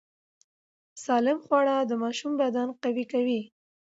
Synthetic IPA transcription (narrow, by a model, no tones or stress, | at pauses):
sɑlɪmxwɑɽad̪əmɑʃumbad̪ɑnqawikawi